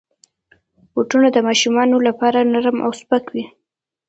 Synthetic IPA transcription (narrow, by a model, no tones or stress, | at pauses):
woʈunad̪əmɑʃumɑnolapɑɾanaɾmʔa̰wspakwi